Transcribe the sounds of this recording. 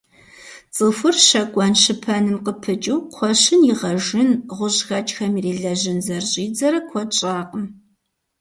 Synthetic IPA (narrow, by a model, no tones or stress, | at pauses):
t͡sʼɨfɨrʃɐkʷʼɔnʃɨpʰɐnɨmqəpʰɨt͡ʃʼuwqʷʰɔɕɪnjɪʁɐʒɪnʁʷʊʑxɐt͡ʃʼxɐmireːɮɐʑɪnzɐrɕʼiːd͡zɐɾɐkʷʰɔt͡ʃʼaːqʼəm